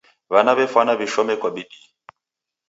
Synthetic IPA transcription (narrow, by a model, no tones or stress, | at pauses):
βanaβɛfwanaβiʃɔmɛkwaɓiɗi